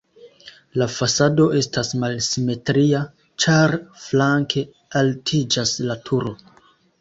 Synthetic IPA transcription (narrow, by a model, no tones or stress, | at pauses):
lafasado̞ʔe̞stasmalsime̞tɾia | t͡ʃaɾflaŋkʰe̞ | altʰid͡ʒaslatʰuɾo̞